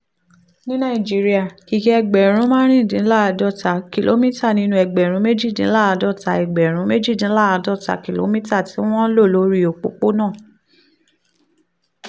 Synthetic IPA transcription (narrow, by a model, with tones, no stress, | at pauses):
nĩ˦nã˦˨i˨d͡ʒi˨˦ɾi˦a˦˨ki˨ki˦ɛ˧ɡ͡bɛ˨ɾ̃ũ˨˦mãː˦ɾ̃ĩ˦˨dĩ˨˦la˦a˧dɔ˦˨ta˨˦ki˨lʔo̰˨˦mĩ˦ta˦˨nĩ˦nũ˧˦ɛ˧˨ɡ͡bɛ˨ɾ̃ũ˨˦me˦d͡ʒi˦˨dĩ˧˦la˦a˧dɔ˦˨ta˧ɛ˨ɡ͡bɛ˨ɾ̃ũ˨˦me˦d͡ʒi˦˨dĩ˨˦la˦a˧dɔ˦˨ta̰˨˦ki˨lo̰˨˦mĩ˦ta˦˨ti˨˦w̃ɔ̃˦lo˦˨lo˨˦ɾi˦o˨k͡po̰˨˦k͡po˦nãː˦˨